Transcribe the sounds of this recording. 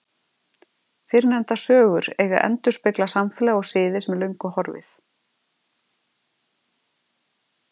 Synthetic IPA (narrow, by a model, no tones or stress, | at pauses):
fɪɾnɛnt̪asœːɣʏɾeːɣa̰ʔɛ̰nt̪ʏɾ̥spɪklasamfɛlaɣɔɣsɪːðɪsmɛlœɥjŋkʏhɔɾvɪ̰θ